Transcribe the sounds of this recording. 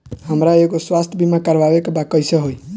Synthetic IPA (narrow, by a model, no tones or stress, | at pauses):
həmɾaeɡoswast̪ʰbʱimakəɾbabekbakəjsəɦoj